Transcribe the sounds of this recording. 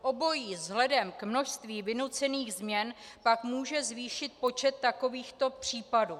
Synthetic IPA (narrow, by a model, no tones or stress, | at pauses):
ʔo̞bo̞jiːzɦlɛdɛmkmno̞ʃst̪viːvɪnut͡sɛniːɣzmɲɛnpakmuːʒɛzviːʃɪt̪̚po̞t͡ʃɛt̪ːako̞viːxt̪o̞pr̝̥iːpaduː